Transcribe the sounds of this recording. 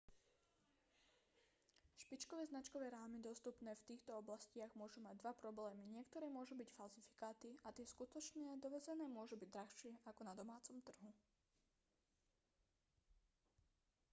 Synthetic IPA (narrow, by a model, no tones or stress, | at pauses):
ʃpit͡ʃkɔʋɛːznat͡ʃkɔʋɛːɾaːmid̪ɔst̪upnɛːft̪iːxt̪ɔɔblascɪaɣmʊɔʒumaɟ̚d̪ʋapɾɔblɛːmiɲɪɛkt̪ɔɾɛːmʊɔʒubicfalzifi̥kaːt̪iat̪ɪɛskut̪ɔt͡ʃnɪad̪ɔʋɛd͡zɛnɛːmʊɔʒubiɟd̪ɾaxʃɪɛʔakɔnad̪ɔmaːt͡sɔmt̪r̩ɦu